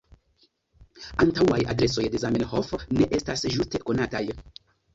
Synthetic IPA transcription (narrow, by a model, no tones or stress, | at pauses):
antawaja̰dɾe̞so̞jde̞zaminhofne̞ʔe̞stasʒuste̞ko̞nataj